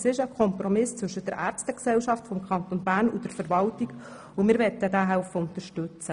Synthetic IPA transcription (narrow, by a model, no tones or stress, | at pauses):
sɪʃəkʰɔmpromɪst͡sʋɵʃəd̥ɛɾʔæːrt͡stəksɛlʃɑftfɔmkʰɑnt̪onbæːɾnʊdəɾfəɾvɑltiɡ | ʊmɪːɾʋɛtːədæːɦɛʊfəʊnt̪əɾʃtɵt͡sə